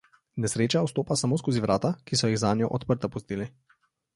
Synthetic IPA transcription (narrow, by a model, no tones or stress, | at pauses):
nɛsɾeːt͡ʃaust̪oːpasamoːskoːziʋɾʔaːt̪akisɔjiɣzaːnjɔʔɔt̪pəɾt̪apust̪iːli